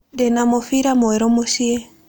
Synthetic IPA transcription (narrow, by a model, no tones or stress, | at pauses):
dɛnamɔfiɾamɔɛɾɔmoʃie